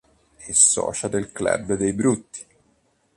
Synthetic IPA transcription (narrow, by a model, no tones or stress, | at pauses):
ɛsɔ̰ːt͡ʃad̪ɛlklɛ̰bːd̪ɛjbɾut̪ːi̥